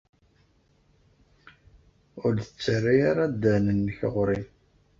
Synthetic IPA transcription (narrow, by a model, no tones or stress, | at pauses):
ʊɾðət͡sːərːiaɾad̪ːænənːəçəʁɾin